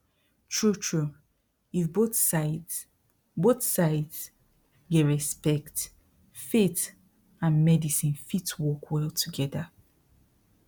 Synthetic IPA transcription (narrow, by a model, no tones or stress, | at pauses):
tʰɹutʰɹu | ifboθsaɪd | boθsaɪds | ɡeɹɛspɛkt | fit | ãnmɛdisĩnfitwɔkʰwɛlˠtʰuɡɛða